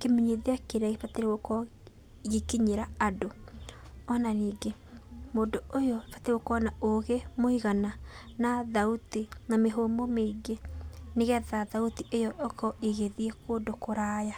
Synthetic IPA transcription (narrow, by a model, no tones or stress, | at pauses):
kemiɲeðeakeɾaɣefateɾeɣokɔ | ɣikiɲeɾaado | ɔnaniːɡe | moːdoojɔfateɾeɣokɔnaoɣemoiɣananaðautinameɦomɔmeiɡeneɣɛðaðautiʔejɔʔɔkɔʔiɣeðiekodokoɾaːja